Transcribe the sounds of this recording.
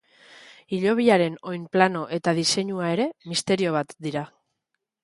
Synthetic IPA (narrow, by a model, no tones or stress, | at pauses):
iʎo̞β̞iaɾe̞no̞jmplano̞ʔe̞t̪að̞ise̞ɲuae̞ɾe̞mist̪e̞ɾio̞β̞at̪d̪iɾa